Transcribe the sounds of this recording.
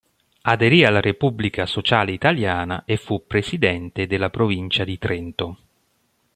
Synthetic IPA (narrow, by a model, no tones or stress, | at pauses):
ad̪eɾialːaɾepubːlikasot͡ʃaːleit̪aljaːna̰ʔefːupːɾesid̪ɛnt̪ed̪elːapɾovint͡ʃad̪it̪ɾent̪o